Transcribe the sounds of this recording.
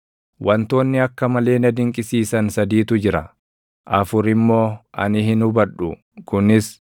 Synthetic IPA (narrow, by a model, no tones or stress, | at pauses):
wʔɐnt̪o̞ːnːɪɐkːɐmɐle̞ːnɐd̪ɪŋkʼɪsiːsɐnsɐd̪iːt̪ʊd͡ʒɪɾɐ | ʔɐfʊɾɪmːo̞ːʔɐ̰nɪhɪnʊbɐᶑʊ | kʊnɪs